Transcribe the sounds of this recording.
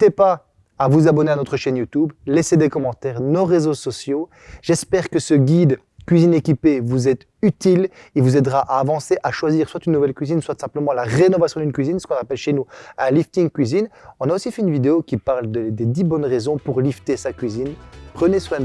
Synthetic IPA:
t̪epaː | vuzabɔneanɔt̪χəʃɛnjut̪yblɛsed̪ekɔmɑ̃t̪ɛːʁnoʁezosɔsjo | ʒɛspɛʁkəsəɡʲid̪ | kʲɥizinekʲipevuzɛt̪ | yt̪ililvuzɛd̪ʁaʔaːvɑ̃seʔaʃwaziːʁswat̪ynːuvɛlkʲɥizinswat̪sɛ̃pləmɑ̃laʁenɔvasjɔ̃d̪ynkɥizinsə̥kɔ̃napɛlʃenuɛ̃lift̪iŋkʲɥizinɔ̃naosifɛynvid̪eokʲipaʁld̪əd̪ed̪ibɔnʁezɔ̃puʁlift̪esakʲɥizinpχəneswɛ̃

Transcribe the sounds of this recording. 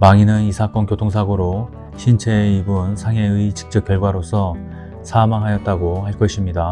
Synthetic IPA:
maŋinɯnisʰak͈ʌnkjotʰoŋsʰaɡoɾo | ɕʰint͡ɕʰe̞ibunsʰaŋe̞ɯit͡ɕi̥k̚t͡ɕ͈ʌk͈jʌɭɡwaɾosʰʌ | sʰamaŋɦajʌt̚t͈aɡohaɭk͈ʌɕʰimɲida

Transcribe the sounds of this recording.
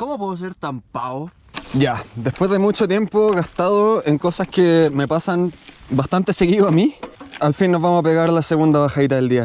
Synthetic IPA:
komopweðos̬eɾt̪ampao | ɟ͡ʝad̪espwe̞zðemut͡ʃot̪je̞mpoɣast̪aðoeŋko̞saskeme̞pasanbast̪ant̪e̞se̞ɣiðoamialfinːozvamosapeɣaɾlaseɣund̪aβaxait̪aðe̞ld̪ia

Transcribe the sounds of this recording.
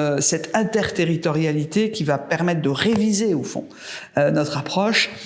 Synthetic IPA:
sɛt̪ɛ̃t̪ɛʁt̪eʁit̪ɔʁjalit̪ekʲivapɛʁmɛt̪̚χd̪əʁevizeofɔ̰̃ | ønɔt̪χapχɔʃ

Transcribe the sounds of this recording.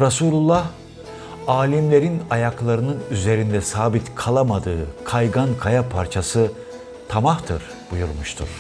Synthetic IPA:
ɾasuːlʲulˠːah | aːlʲimlʲe̞ɾinajaklˠaɾɯnɯnyze̞ɾind̪ɛsaːbit̪kʰalˠamad̪ɯːkʰajɡankʰajapʰaɾt͡ʃʰasɯ | t̪ʰamaht̪ʰɯ̰ɾ | b̥ujuɾmuʃt̪ʰṵɾ̥

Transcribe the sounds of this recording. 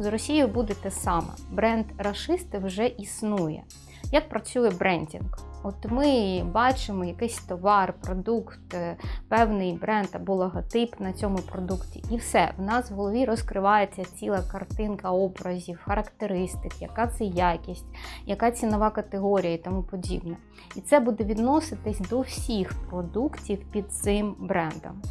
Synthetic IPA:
zrɔsʲijʊbud̪ɛt̪ɛsɑmɐ̰bɾɛnd̪rɐʃɪst̪ɪwʒɛʔisnujɛ̰ | jɐk̚pɾɐt͡sʲujɛbɾɛnʲdʲḭnkɔt̪mɪbɑt͡ʃɪmɔjɐkɪsʲt̪ɔʋɑrpɾɔd̪ukt̪pɛwnɪjbɾɛnd̪ɐbɔlˠɐɦɐt̪ɪpnɐt͡sʲɔmʊpɾɔd̪uktʲḭʔiwsɛ̰wnɑsʋɦɔlˠɔʋʲiɾɔskɾɪʋɑjet͡sʲːɐt͡sʲilˠɐkɐrt̪ɪnkɐɔbɾɐzʲiwxɐɾɐkt̪eɾɪst̪ɪkjɐkɑt̪sɛjakʲisʲtʲjɐkɑt͡sʲinɔʋɑkɐt̪eɦɔɾʲijɐit̪ɔmupɔdʲḭbnɛ | it̪sɛbud̪ɛʋʲid̪nɔsɪt̪ɪsʲd̪ɔwsʲixpɾɔd̪uktʲiwpʲid̪̚t̪sɪmbɾɛnd̪ɔ̰m

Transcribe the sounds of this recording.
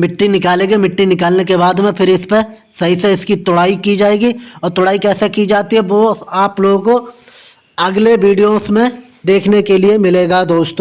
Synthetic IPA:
mɪʈːinɪkaːlẽːɡemɪʈːinɪkaːlnekebaːd̪mẽpʰɪɾɪspesɐɦiseɪskit̪ʊɽaːikid͡ʒaːeːɡiɔːɾt̪ʊɽaːikɛːsekid͡ʒaːt̪iɦɛʋoaːploːɡko | ɐɡleʋiːɖijosmẽ | d̪eːkʰnekeliemɪleːɡad̪oːʃt̪õ

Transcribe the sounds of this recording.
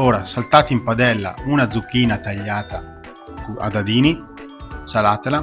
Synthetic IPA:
oːɾasalt̪aːt̪impad̪ɛlːa̰unad̪zukːiːnat̪aʎːaːt̪a | kua̰d̪ad̪iːni | salaːt̪ela

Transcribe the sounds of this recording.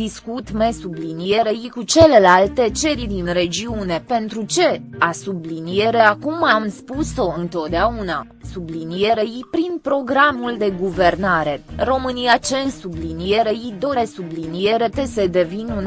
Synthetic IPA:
d̪iskut̪me̞sublinije̞ɾeikut͡ʃe̞le̞lalt̪e̞t͡ʃe̞ɾid̪inre̞d͡ʒiune̞pe̞nt̪ɾut͡ʃe̞asublinije̞ɾe̞akumamspuso̞ɨnt̪o̞t̪̚d̪eauna | sublinije̞ɾeipɾinpɾo̞ɡɾamuld̪e̞ɡuve̞rnaɾe̞ro̞mɨnijat͡ʃensublinije̞ɾeid̪o̞ɾe̞sublinije̞ɾe̞t̪e̞se̞d̪e̞vinun

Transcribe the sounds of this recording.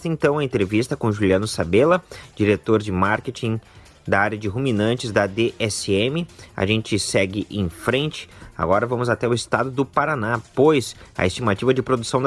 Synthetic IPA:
t̪ɐẽnt̪ɐ̃w̃ɐẽnt̪ɾevist̪ɐkõʒuliɐ̃nʊsabelɐd͡ʒiɾet̪oɾd͡ʒɪmaɾket͡ʃĩ | d̪ɐaɾjɐd͡ʒɪɦuminɐ̃nt͡ʃɪzd̪ɐd̪eʔɛsɪemɪa̰ʒẽnt͡ʃɪsɛɡɪʔẽj̃fɾẽnt͡ʃɪ̥a̰ɡɔɾɐvɐ̃mʊzat̪ɛʊɪst̪ad̪ʊd̪ʊpaɾanapojsɐ̰est͡ʃimat͡ʃivɐd͡ʒɪpɾod̪usɐ̃w̃d̪

